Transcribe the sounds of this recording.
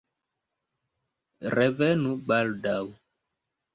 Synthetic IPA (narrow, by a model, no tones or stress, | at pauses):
rɛvɛnuɓaldaw